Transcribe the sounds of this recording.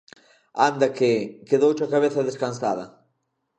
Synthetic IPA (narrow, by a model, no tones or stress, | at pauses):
and̪ɐkekeðowt͡ʃakaβeθɐðeskansa̰ðɐ̰